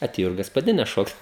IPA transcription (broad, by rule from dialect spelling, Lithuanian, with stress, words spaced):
ɐˈtʲeːjoː ɪr ɡɐspɐˈdʲɪnʲɛs ˈʃoːkt